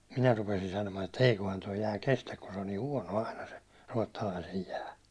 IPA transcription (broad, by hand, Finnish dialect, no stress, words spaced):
minæ rupesin sɑnomɑːn etːæ eikohɑn toi jæː kestæk kun se on niː huɒno ɑinɑ se ruɒtːɑlɑisej jæː